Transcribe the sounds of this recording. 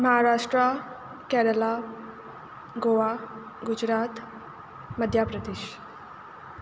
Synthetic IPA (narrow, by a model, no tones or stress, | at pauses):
məɦaɾaʂʈɾa | kɛɾəla | ɡoʋa | ɡud͡ʑɾat̪ | məd̪ʱjapɾəd̪iɕ